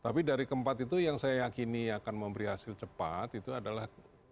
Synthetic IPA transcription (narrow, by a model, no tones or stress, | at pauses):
t̪apidaɾikəmpat̪it̪̬ujaŋsajajakiniakanməmbəɾihasɪlt͡ʃəpat̪it̪uadalah